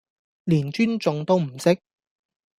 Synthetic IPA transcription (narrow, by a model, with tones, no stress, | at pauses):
liː˨˩nt͡ʃyː˥nt͡sʊ˧ŋt̪o˥wm̩˨˩sɪ˥k̚